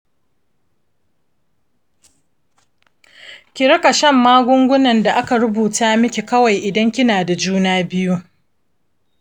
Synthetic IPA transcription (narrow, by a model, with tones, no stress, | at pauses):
kʲɪ˨ɾɐ˦ka˨ʃɐ˦˨mːaː˦ɡʷʊ˦ŋɡʷʊ˦nɐ˨nda˨ʔa˦ka˨ɽʊ˦buː˨taː˦mɪ˦kʲe˨kɐ˦wa˨jʔɪ˨dɐ˦ŋkʲɪ˦naː˨da˨d͡ʒuː˦naː˦bɪ˦ju˦